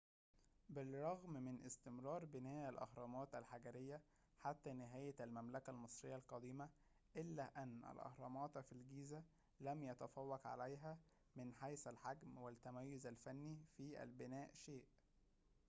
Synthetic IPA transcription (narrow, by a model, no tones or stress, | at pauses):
bɪlˤːɑɣmmɪnʔɪ̰st̪ɪmɾˤɑːɾˤbɪnæːʔælʔɑ̰hɾˤɑːmɑːt̪ælħaɡæɾɪjːæ | ħat̪ːænɪɦæːjælmæmlækælmɨsˤɾejːælqɑd̪iːmæ | ʔɪlːæːʔænːʔæ̰lʔɑ̰hɾˤɑːmɑːt̪filɡiːzæ | læmjæt̪æfæwːækʕa̰læjɦæ | mɪnħajsælħaɡmwælt̪ːæmæjːʊzælfænːifiːʔæ̰lbɪnæːʔʃeːʔ